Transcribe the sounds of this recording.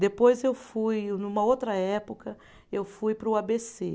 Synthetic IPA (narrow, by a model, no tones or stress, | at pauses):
d̪epojzewfujnũmɐowt̪ɾɐɛpokɐ | ewfujpɾʊabese